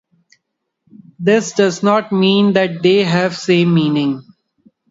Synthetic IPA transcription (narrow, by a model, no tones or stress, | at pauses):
d̪ɪsɖʌznɔːʈmĩːnd̪ɛʈ̚d̪eːɦɛʋsẽːmːĩːnɪ̃ŋ